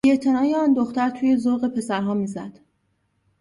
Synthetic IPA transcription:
bieʔt̪ʰe̞nɒːjeɒːnd̪oxt̪æɾt̪ʰuːje̞zoɾɣe̞pʰe̞sæɾɦɒːmiːzæd̪̥

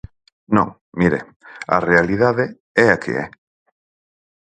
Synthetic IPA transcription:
nõ̰ŋ | miɾḛ | ɐ̰realiðaðe | ɛakʰḛɛ̰

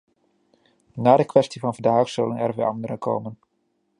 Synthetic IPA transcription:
naːdəkʋɛstivɑnvəndaːχsɵlənɛrʋeɑndəɾəkʰo̰ːmən

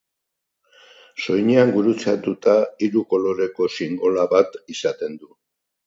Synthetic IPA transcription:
so̞jɲeaŋɡuɾut͡sat̪ut̪aiɾuko̞lo̞ɾe̞ko̞siŋɡo̞laβat̪isat̪e̞nd̪u

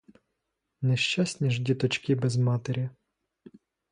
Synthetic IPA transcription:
nɛʃt͡ʃasʲnʲiʒdʲit̪ɔt͡ʃkibɛzmɑt̪eɾʲɐ

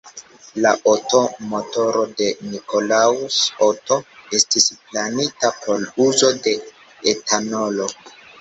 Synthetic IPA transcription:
laʔoto̞moto̞ɾo̞de̞niko̞lausoto̞e̞stisplanitapʰo̞luzo̞de̞ | etʰano̞lo̞

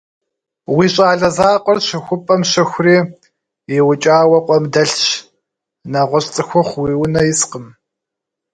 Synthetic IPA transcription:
wiːɕʼaːɮɐzaːqʷɔrɕɪxʷʊpʼɐmɕɪxʷriː | jɪwʊt͡ʃʼaːwɐqʷʼɔmdɐɬɕ | naʁʷɔɕʼt͡sʼɨxʷʊχʷwiːwʊnɐjɪsqəm

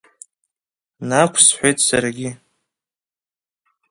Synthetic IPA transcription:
nakʷʰsħʷejtʼsarɡʲɪ

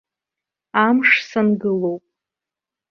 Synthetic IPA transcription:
amʂsɨnɡɨlowpʼ

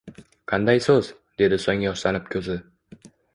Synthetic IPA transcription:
qʰɑnd̪ajsɵz | d̪e̞d̪ɪsɒŋʲjɒʃlanɪp̚kʲʰɵzɪ

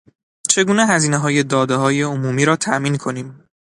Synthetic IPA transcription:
t͡ʃʰe̞ɡuːneɦæziːneɦɒːje̞d̪ɒːd̪eɦɒːje̞omuːmiːɾɒːt̪ʰæʔmiːnkʰo̞niːm

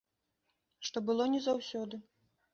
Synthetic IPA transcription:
ʂt̪ɔbɨlˠɔnʲɛzawsʲɔd̪ɨ

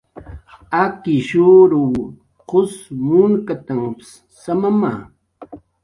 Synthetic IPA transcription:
akɪʃuɾʊ | qʊsmʊŋkat̪amps | samama̰ː

